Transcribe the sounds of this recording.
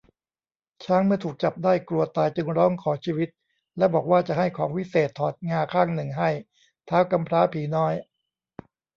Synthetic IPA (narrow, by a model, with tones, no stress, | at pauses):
t͡ɕʰaː˦˥ŋmɯ˥˩ɐt̪ʰuː˨˩k̚t͡ɕa˨˩p̚daː˥˩jklu˧ɐt̪aː˧jt͡ɕɯ˧ŋɾɔː˦˥ŋkʰɔː˩˦t͡ɕʰiː˦˥˩wi˦˥t̪̚ | lɛ˦˥bɔː˨˩k̚waː˥˩t͡ɕa˨˩ʔha˥˩jkʰɔː˩˦ŋwi˦˥seː˨˩t̪ʰːɔː˨˩t̪̚ŋaː˧kʰaː˥˩ŋnɯ˨˩ŋɦa˥˩j | t̪ʰaː˦˥wka˧mpʰɾaː˦˥pʰiː˩˦nɔː˦˥j